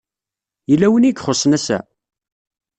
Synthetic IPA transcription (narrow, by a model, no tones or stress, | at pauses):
jəlːæwəniɡχosˤnæsæ̰